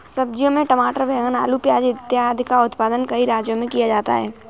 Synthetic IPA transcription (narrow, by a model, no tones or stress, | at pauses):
sɐb̚d͡ʒjõmẽʈəmaːʈəɾbʱɛːɡəna̰ːlupjaːd͡ʒɪt̪jad̪ʱkaʊt̪paːd̪ənkɐiɾaːd͡ʒjõmẽkijad͡ʒaːt̪a̰ɦɛː